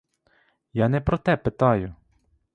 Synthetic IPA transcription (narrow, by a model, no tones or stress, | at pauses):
jɑnɛpɾɔt̪ɛpɪt̪ɑjʊ